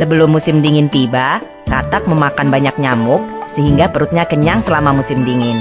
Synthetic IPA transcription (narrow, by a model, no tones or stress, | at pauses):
səbəlʊmːusɪmdiŋɪnt̪iba | t̪at̪ak̚məmakanbaɲak̚ɲamʊk̚səɦiŋɡapəɾut̪̚ɲakəɲaŋsəlamamusɪmdiŋɪn